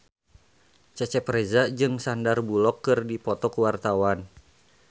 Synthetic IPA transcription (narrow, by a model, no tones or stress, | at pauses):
t͡ʃɛt͡ʃɛpɾezad͡ʒɨŋsandarbulɔkːɨrdipɔt̪ɔkuwart̪awan